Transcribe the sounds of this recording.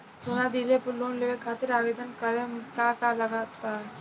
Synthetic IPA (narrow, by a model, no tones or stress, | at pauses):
d͡ʒoːnad̪ilepʊlonleːʋekʰaːt̪ɪɾaːʋeːd̪ənkəɾẽmkakalɐɡat̪a